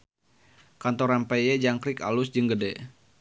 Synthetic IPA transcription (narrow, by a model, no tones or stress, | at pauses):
kant̪ɔɾampejɛd͡ʒaŋkɾika̰lusd͡ʒɨŋɡədɛ